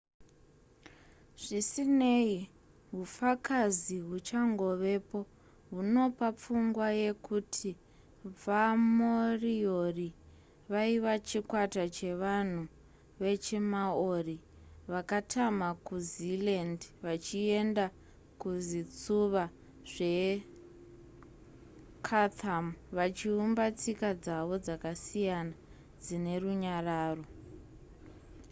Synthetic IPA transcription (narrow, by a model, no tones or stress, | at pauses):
ʐ̥isine̞i | ɦufakaziɦut͡ʃaŋɡo̞ʋe̞po̞ | ɦuno̞pap͡fuŋɡwaje̞kutʰi | vamoriori | ʋaiʋat͡ʃikwatat͡ʃe̞ʋan̤u | ʋe̞t͡ʃemaori | ʋakatʰamakuzilandʋat͡ʃie̞nda | kuzit͡suʋa | ʐe̞ | kʰat̪ʰamʋat͡ʃiumbat͡sikad͡zaʋo̞d͡zakasijana | d͡zine̞ruɲaraːro̞